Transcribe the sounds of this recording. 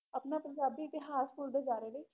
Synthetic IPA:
əpnaːpə̃ɲd͡ʒaːbiːt̪ɪɦaːskʊɾd̪ed͡ʒaːɾeːləː

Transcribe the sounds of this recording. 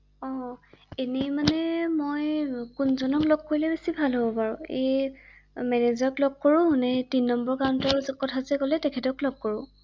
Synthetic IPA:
ɔ̃enimanɛmojkʊnzɔnɔkloɡ̚koɹilɛbesibʱalɦobɔpaɹʊ̃ḛj | mɛnɛzɔklɔɡ̚koɹʊ̃ɦʊnɛtinːɔmbɔɹkawntɔɹzkɔtʰazɛkɔlɛtɛkʰɛtɔklɔɡ̚koɹʊ̃

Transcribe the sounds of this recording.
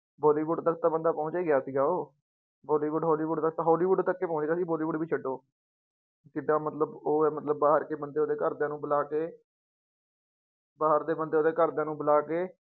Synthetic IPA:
bɔːliːʋuɖt̪ək̚ʰt̪ãːbənd̪aːpɔ̃ʊt͡ʃeːɡɪjaːsiːɡaːoː | bɔːliːʋuɖɦɔːliːʋuːɖt̪ək̚ʰt̪ãːɦɔːliːʋuɖt̪əkːeːpɔ̃ːt͡ʃɡeaːsiːbɔːliːʋuːɖbiːt͡ʃʰəɖoː | kɪɖãːmət̪ləboːɛːmət̪ləbːaːɦəɾkeːbənd̪eːoːd̪eːkəɾd̪ãːnũːbəlaːkeː | baːəɾd̪eːbənd̪eːoːd̪eːkəɾd̪jãːnũːbəlaːkeː

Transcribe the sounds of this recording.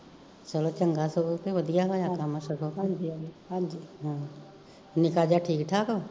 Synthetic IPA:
t͡ʃɐlot͡ʃɐŋɡasopeʋɐd̪ʱijabʱajakamaʃəkoːkd͡ʒɦãd͡ʒiɦãː | nɪkad͡ʒaʈʰiːkʈʰaːko

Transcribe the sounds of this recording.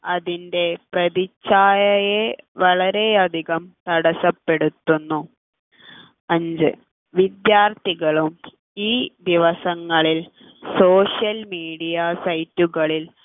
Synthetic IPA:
ɐðinde̞prɐðit͡ɕːaːjɐjeʋɐɭɐɾe̞ɐd̪ʱiɣɐmt̪ɐɽɐsɐpːe̞ɽut̪ːunːu | ɐɲd͡ʑɨ̰ | ʋid̪jaːrt̪iɣɐɭum | iːd̪iʋɐsɐŋːɐɭil | so̞ːʂjɐlmiːɽijɐsɐjtːuɣɐɭil

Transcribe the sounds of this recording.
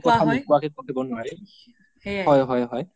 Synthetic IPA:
kɔtʰamikuwakikokʰibɔnʊaɹɛ | ɦɔjɦɔjɦɔj

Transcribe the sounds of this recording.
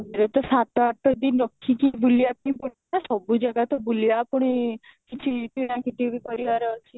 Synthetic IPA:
meɾɔt̪ɔsat̪ɔaʈɔd̪inɾɔkʰːikibulijapĩpuɽnasɔbud͡ʒaɡat̪ɔbulijapɔɽ̃ikit͡ʃʰip̪iɽ̃akiʈibikɔɾibaɾɔɦɔlt͡ʃʰi

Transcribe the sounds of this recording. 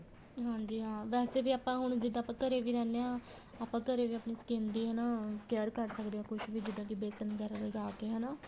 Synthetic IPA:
ɦãːɲd͡ʒiːɦãːʋɛːseːʋiːaːpãːɦʊɳd͡ʒɪd̪ãːpãːkəɾeːʋiːɾɛːneːãː | aːpãːkəɾeːʋiːəpniːskẽːnd̪iːɦɛnaːkɛːɾkəɾsəkd̪eːãːkʊʃʋiːd͡ʒɪd̪ãːkibeːsənɡɛːɾaləɡaːkeːɦɛnaː

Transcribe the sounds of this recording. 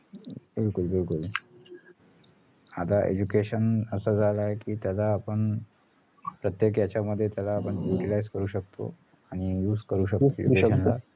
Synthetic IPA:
bɪlkulbɪlkul | at̪aʔḛd͡ʑukeɕənəsad͡zʱalaekiːt̪jalaːpəɳ | pɾət̪jek̬jat͡ɕaməd̪ʱːjet̪jalaːpəɳjuʈilajzkəɾuːɕək̚t̪ʰo̰ | aɽ̃ijuːd͡zkəɾuːɕəkt̪o̰d͡ʑukeənla̰

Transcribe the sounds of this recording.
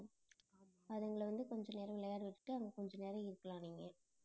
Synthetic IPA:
ɐðɐŋɡɐɭɐʋɐnd̪ɯkɔɲd͡ʒɔneːɾɐ̃ʋɪlːɐjaːɽɯʋɪʈːɯ̥ʈːɯɐʋɐŋɡɐkɔɲd͡ʒɐ̃neːɾɐ̃ɪɾɯkːɐlãːniːŋɡɐ

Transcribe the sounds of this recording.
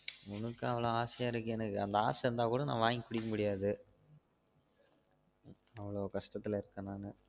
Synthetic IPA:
ʊnɯkːɯɐʋɐɭoːaːsɪjaːɪɾɯkːɯɛnɐkːɯɐnd̪ɐa̰ːsɐɾɯnd̪aːkuːɽɐnã̰ːʋaːŋɡikʊɽɪkːɐmʊɽɪjaːðɯ | ɐʋɐɭoːkɐʂʈɐt̪ːɪlɐɪɾɯkːɐnːaːnɯ

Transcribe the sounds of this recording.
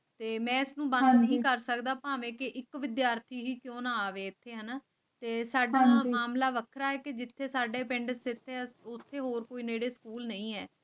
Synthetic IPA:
t̪eːmɛ̃ːɪsnũːbə̃ndd̪nəɦĩːkəɾsəkd̪aːpãːʋẽːkeʔɪkʋɪd̪jaːɾt̪ʰiːɦiːkjõːnaːaːʋeːɪt̪ʰːeːɦənaː | t̪eːsaːɖaːmaːmlaːʋəkʰɾaːɦɛːked͡ʒɪt̪ʰːeːsaːɖeːpɪ̃ɳɖəsɪt̪ʰːeːʊt̪ʰːeːɦoːɾkoːiːneːɽeːsə̥kuːlnəĩːɛ̰ː

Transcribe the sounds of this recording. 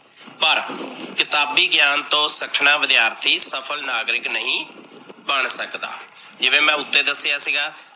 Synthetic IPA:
pəɾkɪt̪aːbiːɡjaːnt̪õːsəkʰnaːʋɪd̪ɪjaːɾt̪ʰiːsəpʰəlnaːɡɾɪknəɦĩːbəɳsəkd̪a̰ːd͡ʒɪʋẽːmɛ̃ːʊt̪ːeːd̪əsːjaːsiɡaː

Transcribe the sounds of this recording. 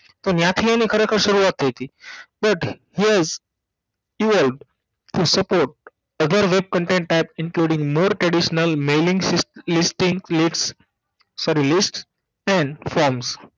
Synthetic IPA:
t̪onjat̪ʰiãnikʰəɾekʰəɾʃəɾuat̪ɦet̪iːbʌʈhiːɛz | iʋəlɖ | ʈusəpoɾʈ̚ | əd̪ʱəɾʋeb̚kə̃ɳʈẽɳʈ̚ʈaɪpɪ̃nkluːɖĩŋɡmoːɾʈɾɛɖiʃnəlmeːlĩŋɡsslisʈĩŋliʈs | sɔɾilisʈs | ɛ̃ɳɖfɔɾms

